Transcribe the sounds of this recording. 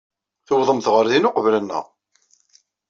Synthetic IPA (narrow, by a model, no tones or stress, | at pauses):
θəwðˤəmθʁəɾðinʊqəvlənːæ̰ʁ